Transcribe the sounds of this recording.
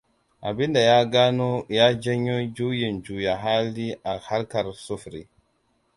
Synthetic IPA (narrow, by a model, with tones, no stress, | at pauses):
ʔa˨bi˦nda˨jaː˦ɡaː˦no˦jaː˦d͡ʒa˦ɲːo˦d͡ʒu˦ji˨nd͡ʒuː˨ja˨ɦa˦lːi˦ʔa˨ha˦lka˨ɾsu˦fɾḭ˨